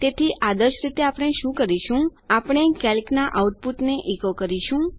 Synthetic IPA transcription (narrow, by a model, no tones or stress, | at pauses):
t̪et̪ʰiʔad̪əɾʃɾit̪eapɽ̃eʃũkəɾiʃũapɽ̃ekɛlknaʔauʈ̚puʈneʔikokəɾiʃũ